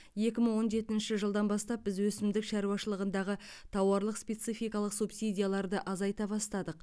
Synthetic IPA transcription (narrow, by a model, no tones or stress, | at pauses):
je̞kʲɪməɴwo̞nʒe̞t̪ɪnʃɪʒəlˠd̪ɑnbɑst̪ɑp̚bɪzwɵsɪmd̪ɪkʃɑɾuɑʃəlˠəʁənd̪ɑʁə | t̪ʰɑwɑɾlˠəqspʲe̞t̪sijfijkɑlˠəqsupsijd̪ʲijalˠɑɾd̪əʔɑzɑjt̪ɑbɑst̪ɑd̪əq̚